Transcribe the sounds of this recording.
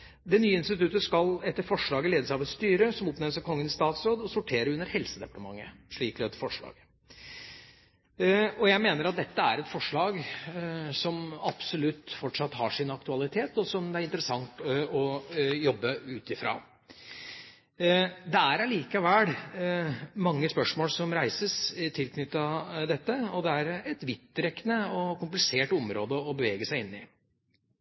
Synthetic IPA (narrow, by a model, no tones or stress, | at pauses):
d̪ɛnyːəɪnst̪ɪt̪ʉt̪əskɑlɛt̪ːəɾfɔʂɭɑːɡəleːd̪əsæɪɑʋɛt̪st̪yːɾəsɔmɔpnɛməsækʰɔŋːənɪst̪ɑːt̪sɾoːd̪ɔsɔʈʰeːɾəʉnːəɾhɛlsəd̪ɛpɑt̪əmɑ̰ŋːəʂɭiːklɛɛt̪fɔʂɭɑ̰ːɡ̥ | ɔjæɪmeːnəɾɑt̪̚d̪ɛt̪ːəæɾɛt̪fɔʂɭɑːɡ | sɔmɑpsɔlʉt̪ːfɔʈʂɑt̪ːhɑ̰ʂɪnɑkt̪ʉɑlɪt̪ʰeːt̪ɔsɔmæɾɪnt̪əɾəsɑŋt̪ɔjɔbːəʉːt̪ɪfɾɑ̰ː | d̪ɛæɾæɭiːkɑʋæɽ | mɑŋːəspœʂmoːlsɔmɾæɪsəst̪ʰɪlkʰnʏt̪ːɑd̪ɛt̪ːəɔd̪ɛæɾɛt̪ʋɪt̪ːɾɛkːənəɔkʊmplɪseːʈʊmɾoːd̪əɔbəʋeːɡəsæɪɪnːɪ